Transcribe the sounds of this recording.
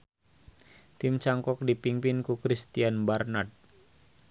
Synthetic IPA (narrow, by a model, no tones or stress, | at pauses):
t̪imt͡ʃaŋkɔk̚dipiŋpinkukɾist̪ianbarnat̪̚